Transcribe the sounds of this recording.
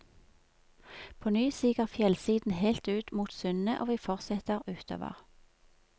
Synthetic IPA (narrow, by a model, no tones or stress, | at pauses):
pʰoːnyːsiːkəʁfjɛlsiːd̪n̩heɪlt̪ʉːt̪muːt̪sʏnəʔoːʋiːfɔʁsɛt̪əʁʉːt̪ʰo̰ːʋə̰ʁ